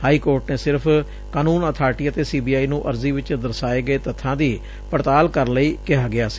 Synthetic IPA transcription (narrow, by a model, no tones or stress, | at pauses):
haːiːkoːɾʈneːsɪɾpʰ | kaːnuːnət̪ʰaːɾʈiːət̪eːsiːbiːaːiːnũːʔəɾziːʋɪt͡ʃd̪əɾsaːeːɡəeːt̪ət̪ʰːãːd̪iː | pəɾt̪aːlkəɾənləiːkɪɦaːɡɪaːsi̥ː